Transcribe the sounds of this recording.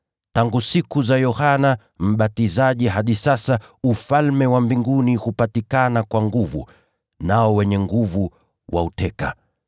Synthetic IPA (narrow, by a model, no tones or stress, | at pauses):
taŋɡusikuzajɔhana | m̩ɓatizaʄiɦaɗisasaufalmɛwambiŋɡunihupatikanakwaŋɡuvṵ | naɔwɛɲɛŋɡuvu | wʔa̰utɛka